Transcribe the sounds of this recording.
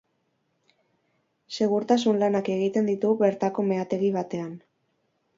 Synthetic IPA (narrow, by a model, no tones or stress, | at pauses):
se̞ɣ̞uɾt̪as̬unlanake̞ɣit̪e̞nd̪it̪uβe̞ɾt̪ako̞me̞at̪e̞ɣiβat̪e̞an